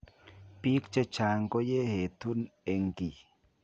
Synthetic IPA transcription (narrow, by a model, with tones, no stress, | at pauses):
pi˦kt͡ʃe˦t͡ʃa˨ŋkɔ˦je˦he˨tu˦ne˨ŋ˨ɡi˨